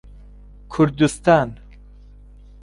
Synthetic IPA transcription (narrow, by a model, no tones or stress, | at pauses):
kʰʊɾd̪ust̪aːn